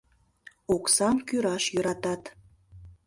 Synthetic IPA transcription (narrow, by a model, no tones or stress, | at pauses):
oksɑmkyɾɑʃjøɾɑt̪ɑt̪